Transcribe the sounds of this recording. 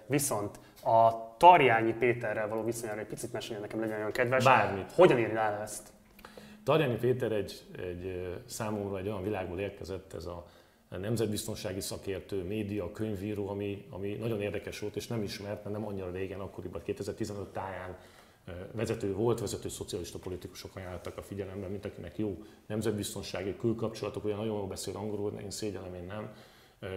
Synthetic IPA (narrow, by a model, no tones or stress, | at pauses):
viso̞nt̪ | ɒt̪ɒrjaːɲipeːt̪ɛrːɛlvɒloːvisoɲaːɾɛɟ̚pit̪sit̪mɛʃɛɛnɛkɛmlɛɟɛnojoŋkɛd̪vɛʃʃbaːrmit̪ho̞ɟɒniːɾilaːlɛst̪ | t̪ɒrjaːɲipeːt̪ɛɾɛɟɛɟsaːmo̞mrɒɛɟːo̞jɒnvilaːɡboːleːrkɛzɛt̪ːɛ̰zɒ | nɛmzɛd̪̚bist̪o̞nʃaːɡisɒkeːrt̪øːmeːd̪ijɒkøɲviːɾoːɒmiɒ̰minɒɟo̞neːrd̪ɛkɛʃʋo̞lt̪eːʃnɛmiʃmɛrt̪ɛnɛmɒɲːiɾɒɾeːɡɛnɒkːo̞ɾibɒtkeːt̪ɛzɛrt̪izɛnø̞t̪ːaːjaːn | vɛzɛt̪øːvo̞lt̪ʋɛzɛt̪øːso̞t̪sijɒliʃt̪ɒpo̞lit̪iku̥ʃo̞kɒjaːlːat̪ːɒkɒfiɟɛlɛmbɛmint̪ɒkinɛkjoːnɛmzɛd̪̚bist̪o̞nʃaːɡikylkɒpt͡ʃo̞lɒt̪o̞kuɟɛnɒɟo̞njoːlbɛseːlɒŋɡoɾon̰ḭnseːɟɛlɛmeːnːɛm